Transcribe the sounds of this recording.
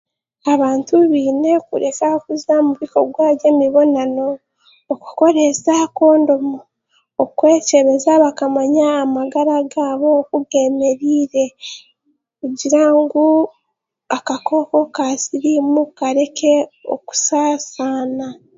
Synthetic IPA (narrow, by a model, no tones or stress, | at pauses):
aβaːntuβiːne̞kṵɾe̞kaokuzamuβiko̞̰ɡwaːβje̞miβo̞nano̞ː | ku̥ko̞ɾe̞sako̞ːndo̞muː | kwe̞ːce̞βe̞zaβakamaɲaːmaɡaɾaɡaːβo̞kuɡe̞ːme̞ɾiːɾe̞ | kuɟiɾaŋɡu | akako̞ko̞kasiɾimukaɾe̞kʰe̞o̰ku̥saːsaːna